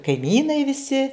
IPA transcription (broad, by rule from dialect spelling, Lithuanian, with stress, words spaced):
kɐɪˈmʲiːnɐɪ ʋʲɪˈsʲɪ